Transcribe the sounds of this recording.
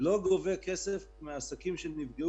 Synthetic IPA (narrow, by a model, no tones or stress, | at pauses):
lo̞ɡovekesef | measakimʃenivɡe